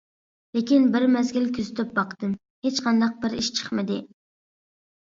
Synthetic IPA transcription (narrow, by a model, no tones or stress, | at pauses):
lekʲinbɪɾmɛzɡʲilkʲʰyzɪt̪ʰɪp̚bɑqd̪̥ɨm | het͡ʃqʰɑnd̪ɑq̚bɪɾiʃt͡ʃʰə̥χmɪd̪ɪ